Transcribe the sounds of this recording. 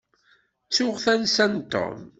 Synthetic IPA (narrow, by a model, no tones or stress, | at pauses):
t͡sːʊʁθænsænt̪ɔ̰m